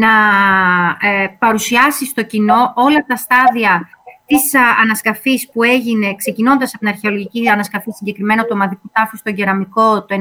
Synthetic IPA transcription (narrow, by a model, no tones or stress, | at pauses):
nɐ | pɐɾusiɐsist̪o̞cino̞ʔo̞lɐt̪ɐst̪ɐðiɐt̪isɐnɐskɐfispue̞ʝine̞kse̞cino̞nd̪ɐsɐp̚oinɐɾçe̞o̞lo̞ʝiciɐnɐskɐfisiɲɟe̞kɾime̞not̪uomɐðikut̪ɐfist̪o̞ʝeɾɐmiko̞t̪oe